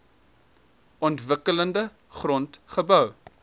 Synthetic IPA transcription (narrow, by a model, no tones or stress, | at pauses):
ɔntvəkələndə | χrɔntχəbœw